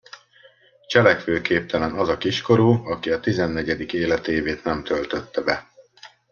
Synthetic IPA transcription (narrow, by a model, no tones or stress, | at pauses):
t͡ʃɛlɛkʋøːkeːp̚t̪ʰɛlɛnɒzɒkiʃko̞ɾuːɒkiɒt̪izɛnːɛɟɛd̪ikeːlɛt̪eːveːt̪nɛmt̪ʰølt̪øt̪ːɛbɛ